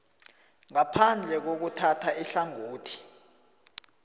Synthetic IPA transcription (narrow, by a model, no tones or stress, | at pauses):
ŋapʰand͡ɮʱɛk̬ok̬utʰatʰaiɬaŋoːtʰi̥